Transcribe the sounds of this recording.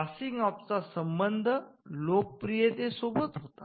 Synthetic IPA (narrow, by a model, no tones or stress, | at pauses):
asiŋɡap̚t͡sasəmbənd̪ʱəlok̚pɾijet̪esobət̪ɦot̪a